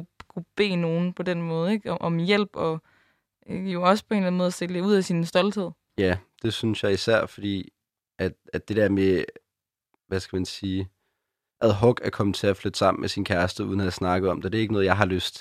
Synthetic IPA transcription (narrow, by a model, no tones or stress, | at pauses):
kʰub̥e̝̰ːno̝ːn̩pʰɒ̽den̰mɔ̽ːð̞̩ˠeɡ̥ʔɒ̽mjel̰b̥ɒ̽ | jo̝ɒ̽sə̥pʰɒe̝ːnlæn̩mɔːðˠɐsd̥e̝ld̥euð̰ˠæsinsd̥ɒ̽ld̥he̝ð̰ˠ | jæd̥e̝synsjɑ̈ɪisæɐ̰fɒ̽d̥ḭː | ʔæd̥æd̥e̝d̥eɐme | ʋæsɡ̥æmænsiː | ʔæðˠɦɔ̽ɡ̥æɐkʰɒ̽m̩ˠt͡sʰe̝æflød̥sɑ̈m̰n̩mesinkʰæɐsd̥əuðˠn̩æsnɑ̈ɡ̥ð̩ˠɒ̽md̥ed̥e̝eɡ̥nɔ̽ːð̞̩jɑ̈ɪhɑ̈løsd̥